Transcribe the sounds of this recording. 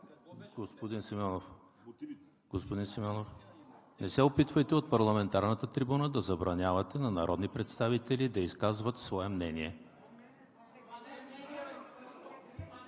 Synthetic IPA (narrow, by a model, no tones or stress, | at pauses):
ɡospod̪insimɔnof | ɡ̥ospod̪insimʲɔnof | nɛsɛopit̪vəjt̪ɛot̪̚pɐɾlˠɐmɛnt̪aɾnət̪ət̪ɾibunəd̪ɐzɐbɾɐnʲjavɐt̪ɛnɐnɐɾʔɔd̪nipɾɛt̪st̪avit̪ɛlid̪ɐiskazvət̪svɔɛmnɛniɛ